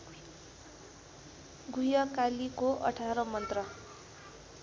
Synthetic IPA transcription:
ɡujʌkalikoʔʌ̰ʈʰaɾʌmʌnt̪rʌ

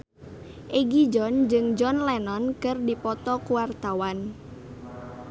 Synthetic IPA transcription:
ʔeɡid͡ʒɔnd͡ʒɨŋd͡ʒɔnlɛnɔnkɨrdipɔt̪ɔkuwart̪awan

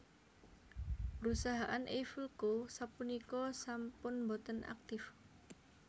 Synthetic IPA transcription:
pəɾusaɦaʔanʔefilkosapunikɔsampʊnbɔt̪ənʔa̰k̚t̪ɪf

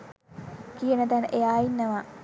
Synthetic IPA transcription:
kijənət̪ænəʔejaːjinːəʋa

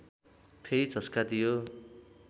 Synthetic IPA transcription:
pʰeɾit͡sʌskad̪ijo

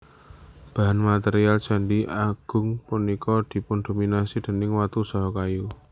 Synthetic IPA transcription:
b̥a̤ɦanmat̪ɛɾiald̥ʒ̥a̤ɳɖiʔaɡ̥ʊ̤ŋpunikɔd̪̥i̤pʊnd̪̥ominasid̪̥ə̤nɪŋwat̪usaɦɔkaju

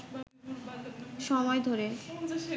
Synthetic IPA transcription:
ʃɔmɔed̪ʱoɾe

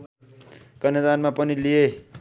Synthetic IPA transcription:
kʌned̪anmapʌnilije

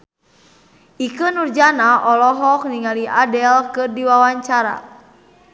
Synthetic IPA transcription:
ʔikənurd͡ʒanaʔɔlɔɦɔk̚niŋaliʔadɛlkɨrdiwawaɲt͡ʃaɾa̰

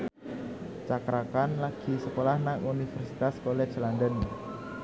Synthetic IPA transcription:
t͡ʃakɾakanlaɡ̥i̤səkolahnaŋunifərsit̪askolɛ̥d͡ʒlandən

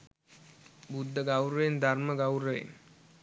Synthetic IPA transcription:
bud̪ʱːəɡawɾəend̪ʱaɾməɡawɾəḛn

